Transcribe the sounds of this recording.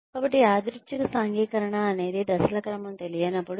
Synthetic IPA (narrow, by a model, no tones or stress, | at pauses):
kaːbɐʈːiaːd̪ɾut͡ʃɐkɐsaːŋɡiːkɐɾɐɳɐːne̞ːd̪id̪ɐsɐlɐkɐɾɐmɐmt̪e̞lijɐːnɐpːuɽu